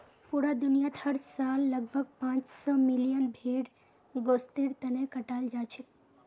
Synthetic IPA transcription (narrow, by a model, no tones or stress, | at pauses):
puɽad̪unijat̪həɽsaːlːəɡ̚bʱəɡ̚pãːt͡ʃsɔmilijənbʱeɽ | ɡoːst̪eɽt̪ənekəʈald͡ʒat͡ʃʰit̪